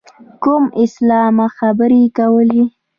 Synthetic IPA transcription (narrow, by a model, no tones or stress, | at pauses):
kʊmɪslɑmaxabəɾekawəli